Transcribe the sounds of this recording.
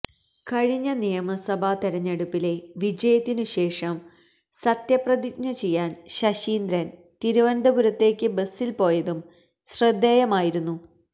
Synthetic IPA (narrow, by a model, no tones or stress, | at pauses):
kɐɻiɲːɐnijɐmɐsɐbʱat̪iɾɐɲːeɽupːile̞ʋid͡ʑɐjɐt̪ːinɨɕe̞ːʂɐm | sɐt̪jɐprɐd̪ikɲɐt͡ɕe̞jːaːnɕɐɕiːnd̪ɾɐn | t̪iɾuʋɐnɖ̪ɐbuɾɐt̪ːe̞ːkʲːɨbesːilpo̞ːjɐðum | srɐd̪ːeːjɐmaːjiɾunːu